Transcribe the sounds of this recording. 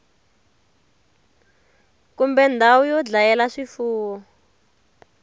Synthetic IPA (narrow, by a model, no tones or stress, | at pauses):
kumbɛndʱawujɔd͡ɮajɛlaʂifuːwɔ